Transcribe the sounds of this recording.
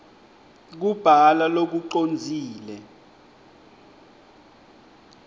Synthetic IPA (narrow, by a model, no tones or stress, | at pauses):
k̬ub̥ʱalalok̬uǃond͡zʱiːlɛ